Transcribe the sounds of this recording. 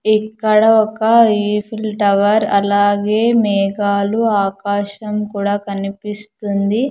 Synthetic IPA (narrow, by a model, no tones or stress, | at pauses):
ikːɐɽɐɔkɐipʰilʈɐʋɐɾɐlaːɡeːmɛːɡaːluaːkaːʃɐmkuːɽaːkɐnipist̪und̪i